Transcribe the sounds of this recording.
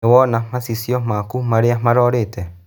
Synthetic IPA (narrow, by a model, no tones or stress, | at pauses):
wɔnamasisjɔmakumaɾeamaɾɔːɾetɛ